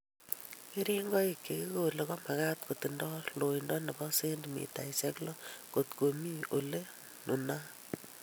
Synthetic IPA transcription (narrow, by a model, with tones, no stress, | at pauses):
e˦ɾi˦ŋɡɔ˦i˨kːe˨ki˦ko˦le˨kɔ˦ma˨ka˦tko˨ti˨ndɔ˦lo˨indɔ˦ne˨bɔ˦se˦ndmḭ˨ta̰˨ise˦klɔ˦ko˨tko˨mi˦o˨le˦ | nu˨na˦